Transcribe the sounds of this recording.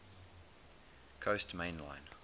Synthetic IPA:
kʰostmẽnlã̰ɪ̃n

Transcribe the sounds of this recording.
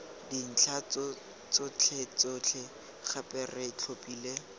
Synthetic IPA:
din̩t͡ɬʰat͡s | t͡sʊt͡ɬʰet͡sot͡ɬʰɛ | χapʼɛrɛt͡ɬʰopʼiːle

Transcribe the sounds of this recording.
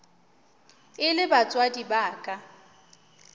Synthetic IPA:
ɪlɪbat͡sʼwadibaːkʼa

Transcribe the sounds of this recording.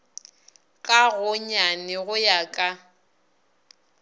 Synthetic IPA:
kʼaɣʊɲanɪɣʊjakʼa

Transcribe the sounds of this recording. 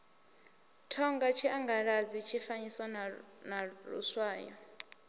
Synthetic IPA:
tʰɔŋɡat͡ʃʰiʔaŋɡaɺad͡zit͡ʃʰifaniswanaɺṵswaːjɔ̰

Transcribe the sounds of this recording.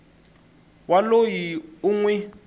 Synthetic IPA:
walojiuŋwɛ

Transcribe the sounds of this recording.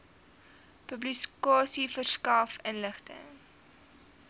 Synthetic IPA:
pɵblikɑːsifərskɐːfənləχtə̰ŋ

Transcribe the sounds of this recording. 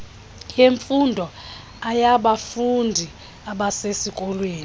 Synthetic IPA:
jeɱfundʱɔ | ajaɓafundʱi | aɓasesikʼɔlweːn

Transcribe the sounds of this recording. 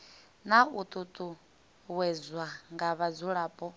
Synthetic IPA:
naut̪ʼut̪ʼu | wɛzwaŋɡaβad͡zuɺaːpʼɔ

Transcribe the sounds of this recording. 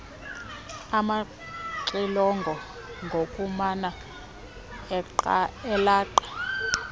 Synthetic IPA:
ama | ǀilɔŋɡʱɔ | ŋɡʱokʼumana | ǃɛlaːǃa

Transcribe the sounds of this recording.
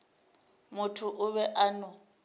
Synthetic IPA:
mʊtʰʊʔʊβɛʔanʊ

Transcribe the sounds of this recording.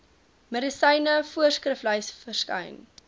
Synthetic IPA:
mədisɐjnəfuərskrəfləjsfərskɐ̰jn

